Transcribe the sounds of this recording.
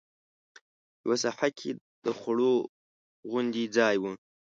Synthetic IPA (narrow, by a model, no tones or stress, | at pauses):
jawasaħakʰe | d̪̥əxaɽo | ɣʊnd̪id͡zɑjwu